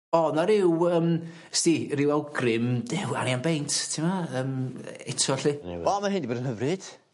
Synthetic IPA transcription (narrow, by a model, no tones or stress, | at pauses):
ɔnaɾɪwəːm | stiɾɪwɛlˠɡrɪmdɛwa̰njanbejntʰtʰɪmaəːmɛtʰɔɬḭɔmaɦɪndiboːdənhɦəvrɨd̥